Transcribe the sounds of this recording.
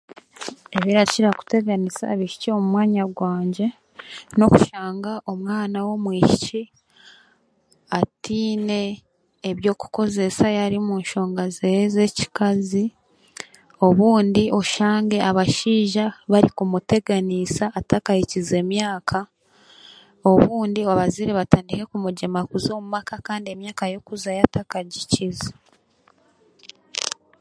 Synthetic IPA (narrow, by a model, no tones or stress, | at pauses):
eβiɾaciɾaku̥te̞ɡanisa̰βiʃi̥cio̞mumwaːɲaɡwaːɲɟe̞ | no̞ku̥ʃaːŋɡaʔo̞mwaːnawo̞mwiːʃici | atiːne̞ː | βjo̞ːku̥ko̞ze̞sajaɾimuːnʃo̞ːŋɡazejeze̞ci̥kazi | o̞βuːndio̞ʃaːŋɡe̞aβaʃiːʒaβaɾikumute̞ɡanisaːtakajicize̞ːmjaːkʰa | o̞βuːndioβaziɾeβataːndike̞kumuɟemakuzo̞ːmumakakaːndie̞mjaːkajo̞kuzajatʰakaɟicizḁ